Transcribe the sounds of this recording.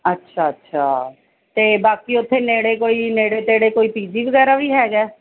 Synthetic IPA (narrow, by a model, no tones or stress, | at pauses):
ətːʃʰaːətːʃʰaː | t̪eːbaːkiːʊt̪ʰːeːneːɽeːkoːiːneːɽeːt̪eːɽeːkoːiːpiːd͡ʒiːbəɡɛːɾaːʋiːɦɛːɡɛː